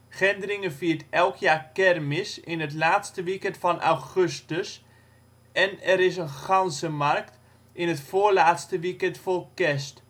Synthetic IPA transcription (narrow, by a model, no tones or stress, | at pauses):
χɛndərɪŋəfiːərtɛlˠkʰjaːkɛrmɪsɪnɦətlaːtstəʋikɛntfɑnʔa̰wχøstəs | ɛnɛɾɪs̬ənχɑnsəmarkt | ɪnətfoəɹlaːtstəʋikɛntfolˠkɛst